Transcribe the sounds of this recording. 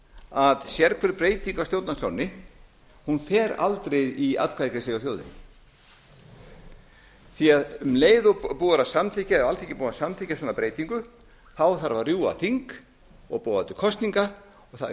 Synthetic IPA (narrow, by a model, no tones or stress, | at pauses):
aðsjɛɾkʰfɛɾpɾeːjt̪iŋkawsjowt̪nasʰlownɪ | hunfɛːɾa̰lt̪ɾejðia̰ðkʰajkɾɪsleːjɣaθjoːwðɪ̰n | θiaðmleːjðʏpuːɾasamθicaɛalt̪ʰicːɪpuːasamθicasɔːnapɾeːjt̪iŋkʏ | θawθaɾvarrjuːa̰θiŋk | ɔɣpoːwðat̪ʏkʰɔst̪niŋka | ɔɣθa